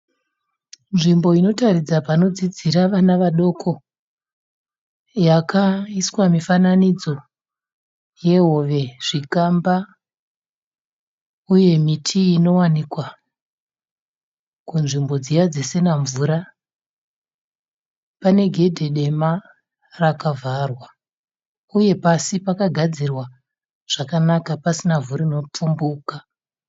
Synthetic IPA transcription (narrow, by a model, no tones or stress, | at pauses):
nʐimbo̞ino̞tarid͡zapano̞d͡zid͡ziɾaʋanaʋaɗo̞kʰo̞ | jakaiswamifananid͡zo̞ | je̞ɦo̞ʋe̞ʐ̥ikamba | uje̞mitʰiːno̞wanikwa | kunʐimbo̞d͡zijad͡zese̞naɱvuɾa | pane̞ɡʱe̞dʱe̞ɗe̞ma | rakavʱarwa | uje̞pasipakaɡʱad͡zirwa | ʐ̥akanakapasinavuɾino̞p͡fumbuːka